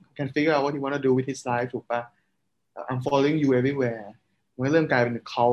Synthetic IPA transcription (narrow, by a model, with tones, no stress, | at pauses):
kʰɛ˧nfi˦ɡə˥a˧wɔ˦t̚hji˧wɔ̃˦ntʰu˧duː˧wi˨t̚hi˧slaː˦jftʰuː˨˩k̚pa˧ | ʔʔã˧ɪ̃mfɔ˧lo˧ɪ̃ŋjuː˧e˦vɹi˦wɛː˧˩ | wnləː˥˩mkaː˧pe˧n˨˩kʰa˦w